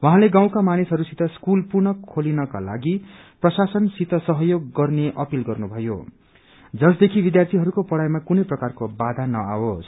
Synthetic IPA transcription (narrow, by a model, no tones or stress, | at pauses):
waɦãleɡaw̃kamanisɦʌɾusit̪ʌskulpurnʌkʰːolinʌka̰la̰ɡi | prʌsasʌnsit̪ʌsʌɦʌjoɡːʌrneʔʌpilɡʌrnubʱʌjo̰ | d͡zʌsd̪ekʰibid̪jart̪ʰiɦʌɾukopʌɽajmakunʌjprʌkarkobad̪ʱanʌa̰wos